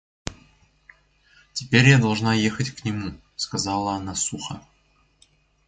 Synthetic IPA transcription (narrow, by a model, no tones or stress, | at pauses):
tʲɪpʲeɾʲjad̪ɐlˠʐnɑjexətʲknʲɪmu | skazɑlˠəːnasuxə̰